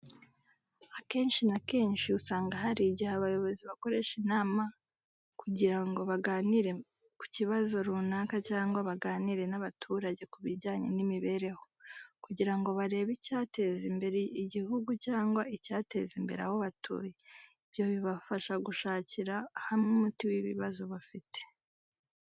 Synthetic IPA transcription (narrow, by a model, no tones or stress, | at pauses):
ake̞ːnʃinake̞ːnʃiusaːŋɡaɦaɾiɟihaβajo̞βo̞ziβako̞ɾe̞ʃinaːma | kuɟiɾaŋɡo̞βaɡaːniɾe̞ | ku̥ciβazo̞ɾunaːkacaːŋɡwaβaɡaːniɾe̞naβatʰuɾaɟe̞kuβiɾɟaːɲenimiβe̞ɾe̞ho̞kuɟiɾaŋɡo̞βaɾe̞ːβicaːte̞zimbe̞ɾeiɟihuɡucaːŋɡwaicaːte̞zimbe̞ɾa̰hoβatʰṵːjeiβjo̞βiβafaʃaɡuʃaːciɾaːhamŋumutiwiβḭβazoβafite̥